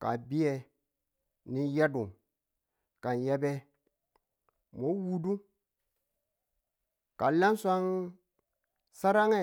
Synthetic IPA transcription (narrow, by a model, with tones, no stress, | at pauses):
ka̰˨bi˦je˨ | ni˦ja˦du˨ŋ | ka˨nje˦be˦ | mo˨˦wu˨du˦ | ka˨la˦n˦sʷa˦ŋ | sa˦ɾa˦ŋe˦